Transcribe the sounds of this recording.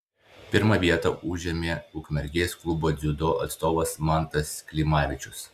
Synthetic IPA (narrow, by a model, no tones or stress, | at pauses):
pʲɪɾmɐʋʲiɛt̪ɐʔʊʒʲɛmʲeːʊkmʲɛɾʲɡʲeːsklˠʊboːd̪zʲʊd̪oːʔɐ̰t̪st̪oːʋɐsmɑˑnt̪ɐsʲkʲlʲɪmɑːʋʲɪt͡ʃʲʊs